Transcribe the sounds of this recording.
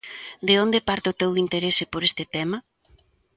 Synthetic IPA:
d̪eond̪epaɾt̪ɪot̪ewint̪eɾesɪpoɾest̪ɪt̪ɛmɐ

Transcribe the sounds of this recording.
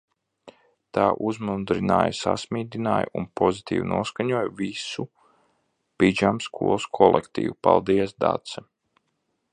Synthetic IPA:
t̪aːʔuzmud̪ɾina̰ːjsa̰smiːd̪inaːj̰unpɔzit̪ʰḭːvnuɔskaɲuɔjvisu | pid͡ʒamskʰuɔlˠskʰɔlˠɛkt̪ḭːvupalˠd̪iɛsd̪a̰t̪sɛ

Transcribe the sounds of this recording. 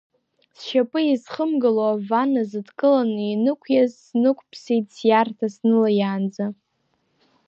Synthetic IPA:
sʃapʼɨizχəmɡɨloavanazɨdkʼɨlaninɨkʷʰjazːnɨkʷʰʼpʰsijtʼsjartʰasnɨlajaːnd͡za

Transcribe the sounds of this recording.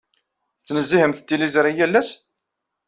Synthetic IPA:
θt͡sːnəzːihəmθt̪ːilizɾˤijælːæs

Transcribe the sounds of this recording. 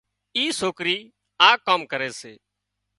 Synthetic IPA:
iːsoːkɾiː | aːkːaːmkəɾeːseː

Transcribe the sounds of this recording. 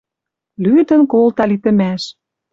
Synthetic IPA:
lyd̪ə̆nkolt̪ɑlit̪ə̆mæʃ

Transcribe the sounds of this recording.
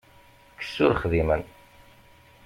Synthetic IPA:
kːə̥sːʊɾχðimən

